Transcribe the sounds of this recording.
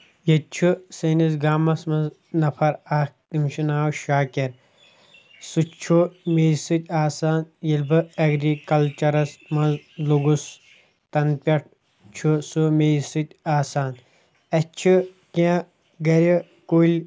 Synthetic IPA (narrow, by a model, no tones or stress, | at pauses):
jɐt͡ʃʰusɐnisɡaːmɐsmɐz | nɐpʰɐɾak̚t̪imʃunaːwʃaːkeɾ | sut͡ʃʰumeːsɨt̪ʲaːsaːnjɐlbɨɐɡɾikɐlt͡ʃɐɾɐsmɐnzluɡus | t̪ɐnpʲɐʈ̚ʰ | t͡ʃʰusumeːsɨt̪ʲaːsaːn | ɐt͡ʃʰi | kẽ | ɡɐɾʲi | kulʲ